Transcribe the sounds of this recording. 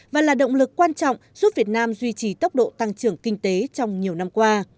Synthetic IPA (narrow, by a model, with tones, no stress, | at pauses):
vaː˨˩laː˨˩ɗə̰˧˨wŋ͡mlɨ˨˩kːwaː˧nt͡ɕɔ̰˧˨wŋ͡mz̥u˦˥p̚vi˨˩ət̚naː˧mzwi˧t͡ɕi˨˩t̪ə˦˥wk͡p̚ɗo̰˧˨t̪a˧ŋt͡ɕɨ˧˩əŋkï˧ŋ̟t̪e˨˦t͡ɕɔ˧wŋ͡mɲi˨˩əwna˧mkwaː˧